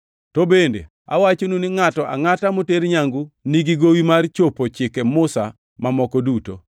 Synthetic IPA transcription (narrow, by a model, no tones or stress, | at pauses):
tɔbendḛ | a̰wat͡ʃonunɪŋatɔʔa̰ŋatamoteɾɲaŋɡuniɡiɡowimart͡ʃopot͡ʃɪkɛmʊsa̰ | mamɔkɔduto̰